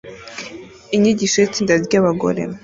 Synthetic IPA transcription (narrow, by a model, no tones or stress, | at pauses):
iɲiɟiʃojit͡siːndazjaβaɡo̞̰ɾe̞̰